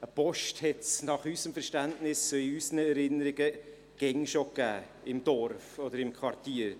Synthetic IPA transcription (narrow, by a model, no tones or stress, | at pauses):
əpɔʃthɛtsnɑχysəmfɛɾʃtæntnɪsːøiysənəɛɾɪnəɾɪɡə | ɡ̥ɛŋʃokæ̰ː | ɪmd̥ɔɾfɔdəɾɪmkʰwɑrtiːəɾ